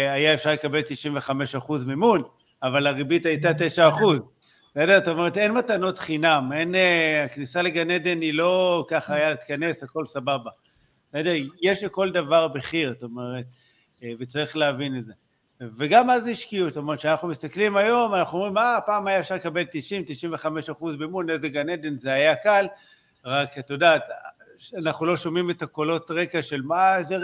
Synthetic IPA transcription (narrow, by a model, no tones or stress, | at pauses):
ajaefʃaʁlekabe̞lt̪iʃimveχameʃaχuzmimun | avalaʁibitajtate̞ʃaːχuz | tosedetome̞ʁ̞et̪e̞nmatano̞tχinamenaknisaleɡaned̪e̞nilo̞kaχaːjalit̪kane̞sako̞lsababa | ted̪ejeʃleko̞ld̪avaʁbeχiʁat̪ome̞ʁet | vet͡saʁiχleavine̞tze̞ | veɡamːazeiʃkiutːtomeʁet̪ʃeanaχnumist̪aklimajo̞manaχnuomʁimapaːmajaefʃaʁlekabe̞lt̪iʃimt̪iʃimve̞χame̞ʃaχuzbeimunezeɡaned̪e̞nzeajakal | ʁakat̪odat̪anaχnulo̞ʃomimet̪ako̞lo̞tʁe̞kaʃe̞lmaze